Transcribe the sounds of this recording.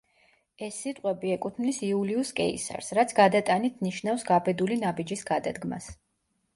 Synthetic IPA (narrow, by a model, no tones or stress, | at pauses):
ɛsːit̪ʼqʼwɛbiɛkʼut̪ʰmnisiuliuskʼɛ̰ḭsa̰ɾsɾat̪sʰɡad̪at̪ʼanit̪ʰniʃnafsɡabɛd̪ulinabid͡ʒisɡad̪ad̪ɡma̰s